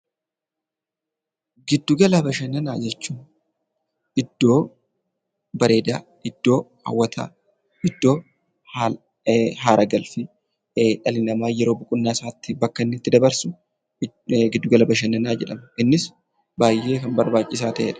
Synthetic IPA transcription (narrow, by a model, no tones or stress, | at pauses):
ɡɪd̪ːʊɡɐlɐbɐʃɐnɐna̰ːd͡ʒɛt͡ʃːuː | ʔɪd̪ːo̞ː | bɐɾe̞ːd̪aː | ɪd̪̥ːo̞ːhɐ̰wːɐt̪ʰa̰ː | ɪd̪ːo̞ː | ɦaːɾʔɐɡɐlfɪ | ᶑɐlɪnɐmaːjɛɾo̞ːbʊkʼʊnːaːsaːt̪ːɪbɐkːɐnːɪt̪ːɪd̪ɐbɐɾsʊ | ɡɪd̪ːʊɡɐlɐbɐʃ̬ɐnːɐnaːd͡ʒɛᶑɐmɐʔɪnːɪs | baːjːe̞ːkɐnbɐɾbaːt͡ʃʼːɪsaːt̪ɐʔḛːᶑɐ̥